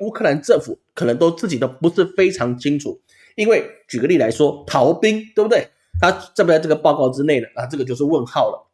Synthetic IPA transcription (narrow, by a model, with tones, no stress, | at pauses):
u˥kʰɤ˥˧˨la˧˦nʈ͡ʂə˥˩ŋfu˨˦kʰɤ˨˩nə˧˦ŋt̪o˥ʊt͡sɹ̩˥˩t͡ɕi˨˩d̪ə˦pu˧˥ʂɻ̩˥˩fe˥ɪʈ͡ʂʰɑ˧˥ŋt͡ɕʰi˥ŋʈ͡ʂʰu˨˩˦ | i˥nwe˥˩ɪt͡ɕy˨˩ɡə˦li˥˩la˧˥ɪʂwɔ˦˥t̪ʰɑ˧˥ʊpi˥ŋtt̪we˥˩bu˩d̪we˥˩ɪ | t̪ʰa˥t͡sa˥˩bu˨t͡sa˥˧ɪʈ͡ʂɡə˩pɑ˥˧ʊkɑ˥˧ʊʈ͡ʂɻ̩˥ne˥˩ɪlə˩na˥˧ʈ͡ʂɤ˥˩ɡə˩t͡ɕjo˥˧ʊʂ̬ɻ̩˥˧wə˥˧nxɑ˥˩ʊlə̰˩